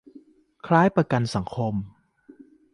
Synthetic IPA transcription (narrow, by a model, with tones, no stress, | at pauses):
kʰlaː˦˥jpɾa˧ka˧nsa˩˦ŋkʰo˧m